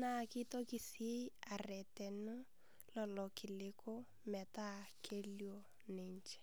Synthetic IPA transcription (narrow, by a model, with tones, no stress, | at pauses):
na˦˨kɪ˦tɔ˦kɪ˨se˦a˨rɛ˨tɛ˨nʊ˦ | lɔ˦lɔ˨kɪ˨lɪ˦ko˦ | mɛ˨ta˦˨kʰe˦ljo˦ | ne˨ɲt͡ʃɛ̥˦